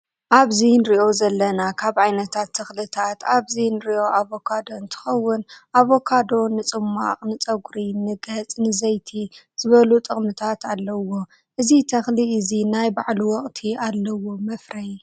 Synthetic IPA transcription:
ʔaβzinɾiʔo̞zɐlːɐnakʰaβʕajnɐt̪ʰat̪ʰːɐxlɨt̪ʰat̪aβzinɨɾiʔo̞ʔaβo̞kʰad̪oɨnt̪ʰɨ̥xɐwːʊnʔaβo̞kʰad̪o̞nɨt͡sʼɨmːa̰qʼnɨt͡sʼɐɡɾinɨɡɐt͡sʼnɨzɐjt̪ʰi | z̥ɨβɐlut̪ʼɨχʼmɨt̪ʰat̪ʰalːɐwːo̞ | ʔɨzit̪ʰɐxliɨzinajbaʕluwɔχʼt̪ʰialːɐwomɐfɾɐj

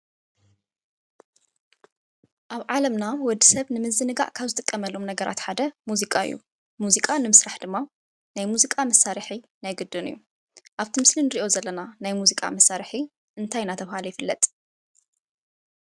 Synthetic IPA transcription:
ʔaβʕalɐmnawɔd̪ːisɐβnɨmɨzɨnɨɡa̰ʔkʰaβzɨt̪ʼɨkʼːɐmɐlːomnɐɡɐɾʔa̰t̪ħad̪ɐmuzikʼaɨ̰jːṵ | muzikʼanɨmɨsɾaħd̪ɨmːa | najmuzikʼamɐsaɾħi | najɡɨd̪ːɨnɨ̰jːu | ʔaβt̪ʰimɨslinɨɾiʔo̞zɐlːɐnanajmuzikʼa̰mɐsaɾħi | ʔɨnt̪ʰajnat̪ʰɐβhaljɪfɨlːɐ̰t̪ʼ

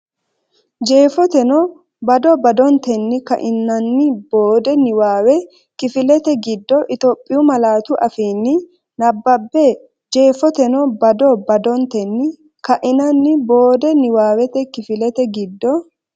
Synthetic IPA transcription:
d͡ʒe̞ːfɔt̪ɛnɔ | bɐd̪ɔbɐd̪ɔnt̪ɛnːɪkɐ̰ʔɪnːɐnːɪbo̞ːd̪ɛnɪwaːwɛ | kɪfɪlɛt̪ɛɡɪd̪ːɔʔɪt̪ɔpʼːɪjʊmɐlaːt̪ʊʔɐfiːnːɪ | nɐbːɐbːɛ | d͡ʒe̞ːfɔt̪ɛnɔbɐd̪ɔbɐd̪ɔnt̪ɛnːɪ | kɐʔɪnɐnːɪbo̞ːd̪ɛnɪwaːwɛt̪ɛkɪfɪlɛt̪ɛɡɪd̪ːɔ

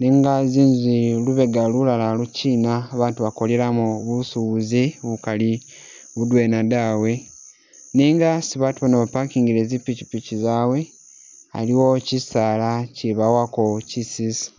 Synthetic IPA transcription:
niŋɡaziːnziluβe̞ɡalulalaluciːnaːβaːntuβako̞leɾamuβusuβziβukali | βudwenadawe̞ | niːŋɡasiβatuβanoβapakiːŋɡiɾezipːici̥picizaːwe̞ | a̰liwo̞cisaːlaciβawako̞cisisi̥

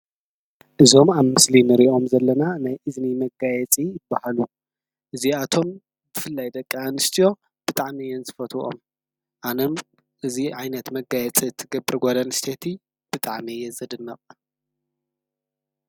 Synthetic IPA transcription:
ʔɨzo̞maβmɨslinɨɾiʔo̞mzɐlːɐnanajʔɨznimɐɡajɛt͡sʼijɪbːahalu | ʔɨziat̪ʰo̞m | b̥ɨfɨlːajd̪ɐkʼːianɨst̪ʰijo̞ | b̥ɨt̪ʼaʕmijɛnzɨfɐt̪ʰuʔo̰m | ʔanom | ʔɨziʕajnɐt̪mɐɡajɛt͡sʼit̪ʰːɨɡɐbɨɾɡʷad̪anst̪ʰet̪ʰi | b̥ɨt̪ʼaʕmijɛzɐd̪ɨnːɐχʼ

